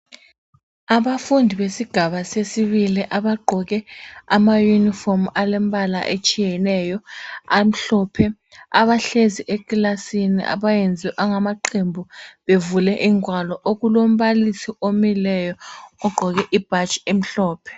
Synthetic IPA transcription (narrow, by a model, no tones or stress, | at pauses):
aɓafundʱiɓesiɡ̥ʱaɓasesiɓiliʔaɓaɡ͡ǃʱɔk̬ɛamajunifɔmalɛmbʱʼala̰ʔet͡ʃʼijɛnɛjɔam̩ɬɔːpʰɛ | aɓaɬeziʔek̬ʼilasinḭʔa̰ɓajend͡zʱiʔaŋamaǃʰembʱuɓevulɛʔiŋwalɔʔok̬ulom̩ɓalisiomilɛjɔɔɡ͡ǃʱɔk̬ɛʔib̥ʱat͡ʃʼem̩ɬɔːpʰɛ̥